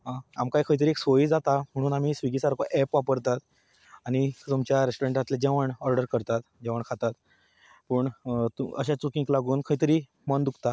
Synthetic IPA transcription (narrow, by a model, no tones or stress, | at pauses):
aa̰mkajkʰəjt̪əɾieksoiːd͡zat̪am̤əɽ̃uːnam̤iːsʋiɡisaɾkoʔɛpʋapəɾt̪at̪ | aɽ̃it̪umt͡ɕjaɾesʈoɾeɳʈd͡zat̪led͡ʑɛʋəɳɔɾɖəɾkəɾt̪at̪d͡ʑɛʋəɳkʰat̪at̪ | pəːɳt̪uə̰ɕat͡sukĩŋklaɡuːnkʰəit̪əɾiː | mənd̪ukʰt̪a